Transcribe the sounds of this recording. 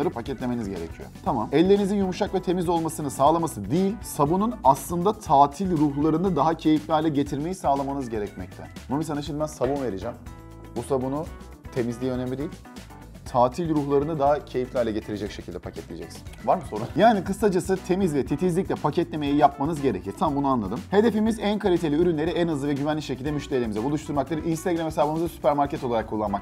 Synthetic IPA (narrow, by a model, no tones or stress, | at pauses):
ɾɯpʰacɛt̪lʲe̞menizɟe̞ɾḛcʰijo̰t̪ʰamamɛlʲːe̞ɾinizinjumuʃakvɛt̪ʰe̞mizo̞lˠmasɯnɯsaːlˠamasɯd̪ijilʲsabununaslˠɯnd̪at̪ʰaːt̪ʰilʲɾuɦlˠaɾɯnɯd̪aɦacʰe̞jiflʲajlʲɛɟet̪ʰiɾme̞jisaːlˠamanɯzɟe̞ɾɛcmɛc̚t̪ʰɛ̰bunmisanaeʃʰnd̪bænsabunve̞ɾid͡ʒɛm | busabunu | t̪ʰe̞mizlʲijːø̞nemlʲid̪ijilʲ | t̪ʰaːt̪ʰilʲɾuxlˠaɾɯnɯd̪aɦacʰe̞jiflʲajlʲɛɟe̞t̪ʰiɾe̞d͡ʒɛcʃecʰilʲd̪ɛpʰacʰɛt̪lʲḭjd͡ʒɛcsi̥nvaɾmɯso̞ɾujaːnikɯsad͡ʒasɯt̪ʰe̞mizvɛt̪ʰit̪ʰizlʲic̚lʲɛpʰacʰɛt̪lʲeme̞jijap̚manɯzɟe̞ɾecʰiɾ̥t̪ʰamambunuanlˠad̪ɯmhe̞d̪e̞fimizænkʰalʲit̪ʰe̞lʲiyɾynlʲeɾiænazlˠɯvɛɟyvænlʲicʃecʰilʲd̪ɛmyʃt̪ʲelʲeimizɛbulˠuʃt̪ʰuɾmak̚t̪ˠaɾinst̪ʰaɡɾamesaabanmɯzasy̥pʰæɾmaɾcʰɛt̪o̞lˠaɾakʰːulˠːanmak